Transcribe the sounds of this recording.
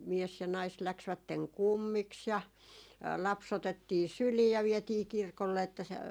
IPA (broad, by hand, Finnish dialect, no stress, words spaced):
mies jɑ nɑis læksʋætːeŋ kumːiks jɑ lɑps otetːiː syliː jɑ ʋiɛtiː kirkolːe etːæ se